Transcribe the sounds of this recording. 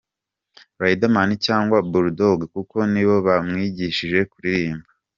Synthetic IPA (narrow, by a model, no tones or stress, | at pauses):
ɾajidamanicaːŋɡwabuɾudoɡkuko̞niβo̞βamŋiːɟiʃiʒe̞kuɾiɾiːmba